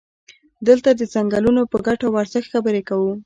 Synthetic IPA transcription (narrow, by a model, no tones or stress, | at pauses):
d̪əlt̪ad̪əzaŋɡalunopəɡaʈawaɾzaxxabəɾekawu